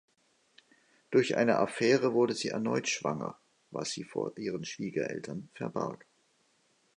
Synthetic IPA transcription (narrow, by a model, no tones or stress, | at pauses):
d̥ʊɐçʔa̰ɪnə̰ʔafɛːʁ̞əvʊɐdəziːʔɛɐnɔʏtʃv̥a̰ŋɐ̰ | va̰sz̥iːfo̰ːɐʔiːʁ̞ənʃv̥iːɡɐʔɛ̰ltʰɐnfɛɐba̰lk